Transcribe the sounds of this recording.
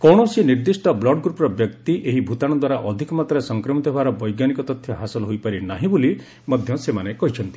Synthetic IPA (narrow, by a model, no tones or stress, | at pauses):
kɔɽ̃ɔsiniɾd̪isʈɔblɔɖɡɾupɾɔbjɔkt̪iʔeɦibʱut̪aɽ̃ɔd̪waɾaʔɔd̪ʱikɔmat̪ɔɾesɔŋkɾɔmit̪ʰɔbʱaɾɔbɔjɡanikɔt̪ɔt̪ʰːjɔɦasɔlɦojpaɾinaɦĩbuli | mɔd̪ʱjɔsemanekɔɦit͡ʃʰɔnt̪i̥